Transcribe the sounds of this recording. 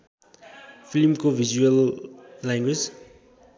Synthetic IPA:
pʰilmkobʱizuʌlː | aŋɡwed͡z

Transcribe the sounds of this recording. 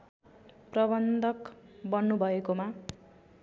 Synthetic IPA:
prʌbʌnd̪ʱʌkbʌnːubʱʌekoma

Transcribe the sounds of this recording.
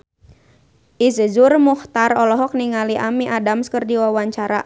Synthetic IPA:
ʔizəd͡ʒurmuht̪arɔlɔɦɔk̚niŋaliʔamiʔadamskərdiwawaɲt͡ʃaɾa

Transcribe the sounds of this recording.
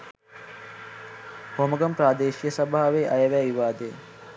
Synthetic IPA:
homɐɡɐmpɾaːd̪eːʃijəsɐbaɦaʋeʔɐjəʋæːʋiʋaːd̪e

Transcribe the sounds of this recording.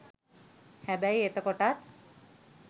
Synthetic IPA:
hɛbæjet̪əkoʈat̪

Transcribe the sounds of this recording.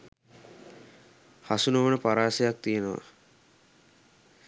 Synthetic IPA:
hasunəʋənəpaɾaːsejak̚t̪ijenəʋa̰

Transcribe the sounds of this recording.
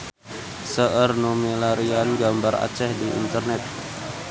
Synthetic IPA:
səʔərnumelaɾianɡambara̰t͡ʃɛhdiḭnt̪ərnɛt̪̚

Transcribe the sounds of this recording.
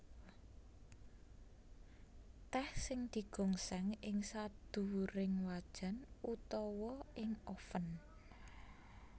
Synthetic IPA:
t̪ɛhsɪŋd̪̥i̤ɡ̥ɔ̤ŋsɛŋɪŋsad̪̥ṳɾɪŋwad̥ʒ̥a̤nut̪ɔwɔɪŋɔfən

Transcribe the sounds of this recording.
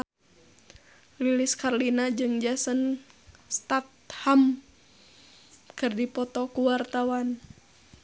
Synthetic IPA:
liliskarlinad͡ʒɨŋd͡ʒasənst̪at̪̚ham | kɨrdipɔt̪ɔkuwart̪awan

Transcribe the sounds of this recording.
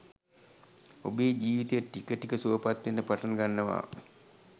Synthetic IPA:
obeːd͡ʒiːʋit̪ejəʈːikəʈikəsuʋəpat̪ʋenɖəpaʈanɡanːəʋa̰ː

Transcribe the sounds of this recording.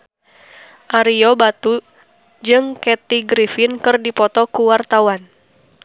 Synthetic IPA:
ʔaɾiɔbat̪u | d͡ʒɨŋkɛt̪iɡɾifinkɨrdipɔt̪ɔkuwart̪awan

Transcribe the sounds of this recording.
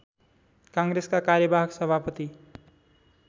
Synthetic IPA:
kãŋɡɾeskakaɾjʌbaɦʌksʌbʱapʌt̪i

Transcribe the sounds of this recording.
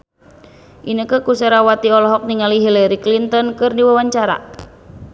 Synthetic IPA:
ʔinəkəkusaɾawat̪iɔlɔɦɔk̚niŋaliɦilɛɾiklint̪ɔnkɨrdiwawaɲt͡ʃaɾa̰

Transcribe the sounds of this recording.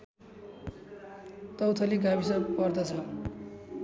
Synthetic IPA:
t̪ʌwt̪ʰʌliɡabisʌpʌrd̪ʌt͡sʰʌ

